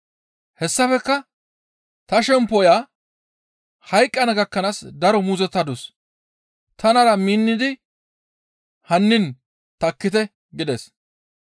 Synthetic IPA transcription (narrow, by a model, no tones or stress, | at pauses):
hɛsːɐfɛkːɐ | t̪ɐʃɛmpːɔjaː | hɐjkʼːɐnɐɡɐkːɐnaːsd̪ɐɾɔmuːzɛt̪ːɐd̪ʊs | t̪ʰɐnɐɾɐmiːnːɪd̪ɪ | hɐnːɪn | t̪ɐkːɪt̪ɛ | ɡɪd̪ɛs